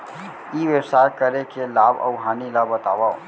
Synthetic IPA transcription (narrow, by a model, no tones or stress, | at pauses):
iːʋebsaːjkɐɾekelaːbɐ̰ʊɦaːnilaːbɐt̪a̰ːʋa